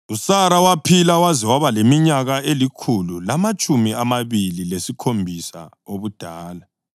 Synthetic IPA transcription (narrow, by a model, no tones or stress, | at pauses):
usaɾawapʰilawazɛwaβalemiɲaɣaelikʰululamat͡ʃʼumiamaβililesikʰombʱisa̰ | oβud̥ʱaːla